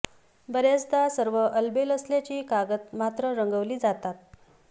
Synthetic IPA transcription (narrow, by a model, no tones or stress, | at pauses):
bəɾjat͡sd̪asəɾʋəʔəlbeləslat͡ɕiːkaɡət̪̚mat̪ɾəɾəŋɡəʋliːd͡zat̪at̪̚